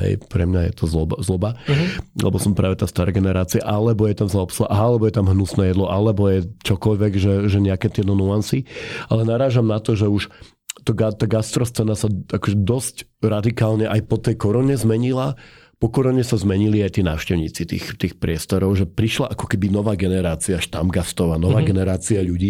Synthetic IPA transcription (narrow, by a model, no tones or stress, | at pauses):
ɦɛ̰jpɾɛ̰mɲajɛ̰t̪ɔzlɔbazlɔbalɛ̰bɔsɔmpɾa̰ːʋɛt̪aːst̪aɾɛɡɛnɛɾaːt͡sia̰ʔalɛbɔjɛt̪amsaɔpsula̰ʔaalɛbɔjɛt̪amɦnusnɛːjɛd̪lɔʔalɛbɔjɛt͡ʃɔkɔʎʋɛɡʒɛʒɛɲɛakɛt̪ɪɛt̪ɔnuansialɛnaɾaːʒamnat̪ɔʒɛuʃ | t̪ɔɡat̪aɡast̪ɾɔst͡sɛnasaakɔʒɛd̪ɔscɾad̪ikaːlɲɛʔajpɔt̪ɛjkɔɾɔɲɛzmɛɲila | pɔkɔɾɔɲɛsazmɛɲiliajt̪iːna̰ːʊʃcɛʊɲiːt͡sit̪ḭːxt̪iːxpɾɪɛst̪ɔɾɔʊʒɛpɾiʃlaʔakɔ̥kɛbinɔʋaːɡɛnɛɾaːt͡siaaʃt̪amɡast̪ɾɔʋaːnɔʋaːɡɛnɛɾaːt͡siaʎuɟiː